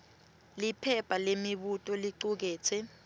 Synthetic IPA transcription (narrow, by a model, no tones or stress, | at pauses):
lipʰɛpʼalemiɓutʼɔliǀuk̬ɛːt͡sʰɛ